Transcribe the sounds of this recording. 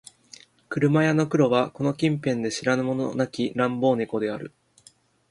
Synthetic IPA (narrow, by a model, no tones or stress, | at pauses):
kɯ̟ɾɯ̟majano̞kɯ̟ɾo̞βako̞no̞kʲĩmpẽ̞nd̪e̞ɕiɾanɯmo̞nonakʲiɾãmbo̞ːniko̞d̪e̞aɾɯ̟